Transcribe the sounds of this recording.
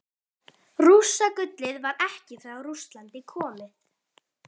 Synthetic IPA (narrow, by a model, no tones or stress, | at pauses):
rusakʏt̪lɪðvaɾɛhcɪθɾaɣrust̪lant̪ɪkʰɔːmɪ